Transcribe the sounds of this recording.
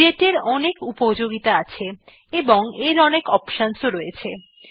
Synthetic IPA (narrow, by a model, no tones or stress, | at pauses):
eʈeɾɔnekupod͡ʑoɡit̪aat͡ɕʰe | eboŋeɾɔnekɔpʃansoɾɔjet͡ɕʰe